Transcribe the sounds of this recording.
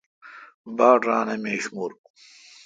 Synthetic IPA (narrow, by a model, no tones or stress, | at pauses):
baːʈɾaːnɐmeːɕmuɾ